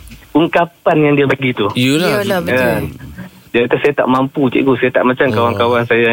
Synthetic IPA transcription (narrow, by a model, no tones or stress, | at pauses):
uŋkapanjaŋdiabaɡit̪ullan | diakat̪asajat̪a̰ʔmamput̪ḭʔɡusajat̪a̰ʔmat͡ʃamkawankawansaja